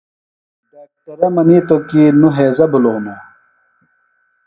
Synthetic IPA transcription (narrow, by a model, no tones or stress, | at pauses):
d̪ɐːk̚ʈɐɾɐmɐnit̪okinuɦeːzɐbulonu